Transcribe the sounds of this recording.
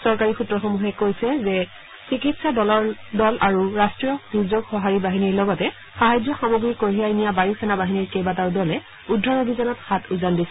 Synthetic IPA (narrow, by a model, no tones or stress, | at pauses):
sɔɹkaɹixutɹɔxomuɦɛkojsɛzɛ | sikitsadɔlɔɹdɔlʔaɹuɹastɹijɔduɹzoɡxɔɦaɹibaɦiniɹlɔɡɔtɛ | xaɦajzɔxamoɡɹikːoɹijajnijabajukʰɛnabaɦiniɹkejbataɹdɔlɛ | udʱːɔɹobʱizanɔtxatuzandisɛ